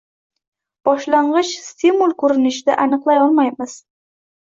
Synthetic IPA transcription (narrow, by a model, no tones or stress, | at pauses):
b̥ɒʃlaɴʁɨʃst̪ʰimulˠkʰɵɾɪnɪʃɪd̪aʔanɨqlˠajɒlˠmajmɪz̥